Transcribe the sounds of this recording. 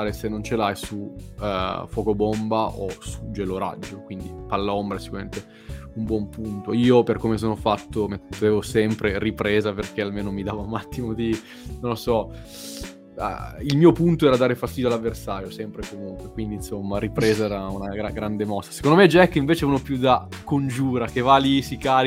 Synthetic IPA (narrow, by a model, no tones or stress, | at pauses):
aɾesenːont͡ʃelajsu | fɔːkobombaʔosud͡ʒeloɾa̰d͡ʒːokwind̪ipalːaombɾaɛsːikuɾamḛ̃nt̪e | umbwɔmpunt̪oiːoperkomes̬oːnofat̪ːomeːvosɛmpɾeripɾeːzaperk̟ealmeːnomid̪aːvounat̪ːimod̪i | nõlːosɔ | ilmiːopunt̪oɛɾad̪aːɾefast̪iːd̪joalːavːersaːɾjosɛmpɾekomuŋkwekwind̪insomːaɾipɾeːzaɛːɾaunaɡɾaɡɾand̪emɔst̪ːḁsekond̪omed͡ʒaɛkːeiɱveːt͡ʃeuːnopjud̪akond͡ʒuːɾakevalisikaːɾi